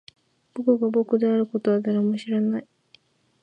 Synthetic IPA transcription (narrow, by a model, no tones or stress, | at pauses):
b̥okɯ̟ɡabokɯ̟d̪eaɾɯ̟kot̪oβad̪aɾamoɕiɾanai